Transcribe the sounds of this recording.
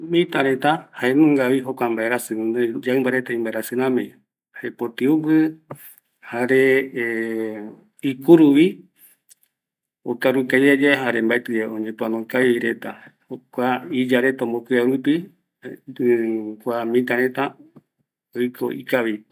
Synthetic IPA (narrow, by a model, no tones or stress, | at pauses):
mĩt̪aɾẽt̪ahaemũŋɡaβiɦokʷambaeɾasɨ̃d͡ʒaɨmbaɾet̪aĩmbaeɾasɨnãmĩ | haepot̪iupɨ | haɾe | ikuɾuʋi | okaɾukad͡ʒed͡ʒeɦaɾembaet̪ɨeoɲẽpuanõkaiɾet̪ahokʷaid͡ʒaɾet̪aõmbokʷiaɾupi | kʷamĩt̪̬aɾẽt̪a | ojkʰo̰ʔḭkaβi